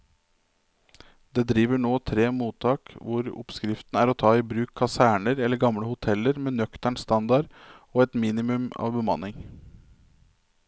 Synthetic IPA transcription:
d̪eːd̪ɾiːʋəɳoːt̪ʰɾeːmuːt̪ʰɑːkʋʊɾʊ̰pskɾɪft̪n̩æːɾɔt̪ʰɑːibɾʉːkʰːɑsæːɳəɾɛlːəɾɡɑmɽəhʊt̪ʰɛləɾmeːnœkt̪æɳst̪ɑnd̪ɑɾoːɛt̪miːnɪmʉmɑ̰ːʋbəmɑ̰nɪŋ

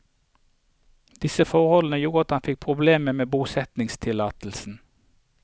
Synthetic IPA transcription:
d̪̥ɪsəfɔʁhɔlən̩əjuːʁəɑt̪hɑnfɪk̚pʰʁʊbleːməmeːbuːsɛt̪nɪŋst̪ʰɪlɑːt̪l̩sn̩

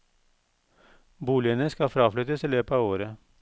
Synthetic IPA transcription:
buːlɪənəskɑfɾɑːflʏt̪əsɛløːpɑːʋoːɾə

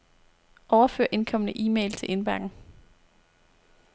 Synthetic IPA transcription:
ʔɒʊɐfø̰ːɐ̰ʔe̝nkʰɒ̽m̰ənəʔiːmḛɪlt͡sʰe̝lʔe̝nb̥æɐɡ̥n̩

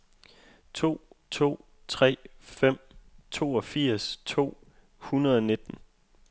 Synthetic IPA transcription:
t͡sʰo̝̰ːt͡sʰo̝̰ː | t͡sʰʁɛ̰ːfem̰t͡sʰo̝ːɒ̽fiɐ̰st͡sʰo̝̰ː | hunɐðˠɒ̽ne̝d̥n̩

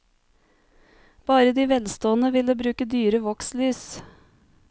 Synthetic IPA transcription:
b̥ɑːɾəd̪iːʋɛlst̪oːənəʋɪləbɾʉːkəd̪yːɾəʋɔkslyːs

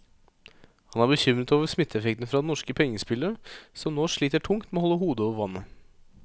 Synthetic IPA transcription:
hɑnæɾbəçʏmɾət̪oːʋəɾsmɪt̪ʰːɛfɛkt̪n̩fɾɑd̪ɛnɔʂkəpʰɛŋːəspɪləɾəsɔmnoːʂɭiːt̪əʈʰʊŋt̪meoːhɔlːəɦuːd̪əoːʋəɾʋɑnːə

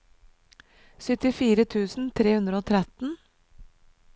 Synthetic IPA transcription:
sʏt̪ɪfiːɾət̪ʰʉːsn̩t̪ʰɾeːhʉnd̪ɾəoːt̪ʰɾɛt̪n̩

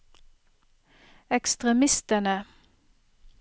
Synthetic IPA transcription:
ɛkst̪ʁɛmɪst̪ənə

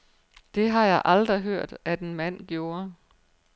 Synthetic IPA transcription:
d̥e̝ɦɑ̈jɑ̈ɪʔɑld̥ʁiɦøɐ̰d̥æd̥e̝nmæn̰ɡ̥jo̝ːɐ

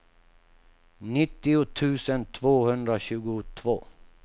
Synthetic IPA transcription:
nɪt̪ːɪʊt̪ʰʉ̟ːsənt̪ʰvoːhɵnd̪ɾaɕʉ̟ːɡʊt̪ʰvo̰ː

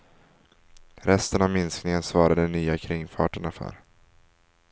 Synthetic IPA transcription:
ɾɛst̪ənavmɪnsknɪŋənsvɑːɾad̪ənyːakʰɾɪŋfɑːʈəɳafœ̰ɾ

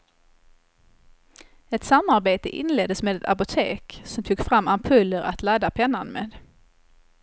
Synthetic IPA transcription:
ɛt̪samːaɾbeːt̪əʔɪ̰nleːd̪əsmeːd̪ɛt̪a̰pʊt̪ʰeːksɔmt̪ʰuːɡfɾamːampʰɵlːəɾʔat̪ʰlad̪ːapʰɛnːanmḛːd̪

